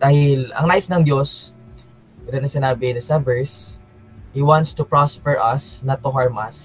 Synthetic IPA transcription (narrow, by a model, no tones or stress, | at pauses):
d̪aːhɪlɐ̰ŋnaːʔɪsnɐŋd͡ʒos | mɛd̪onɐsɪnaːbɪnɐsɐvɛɹs | hiwant̪st̪ʊpɹospɛɹʔɐsnat̪ːʊɦaɹmɐs